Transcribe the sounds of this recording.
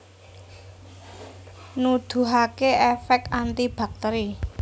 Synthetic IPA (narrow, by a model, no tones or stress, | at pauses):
nud̪̥ṳɦakeɛfɛk̚t̪ant̪ib̥a̤k̚t̪eɾi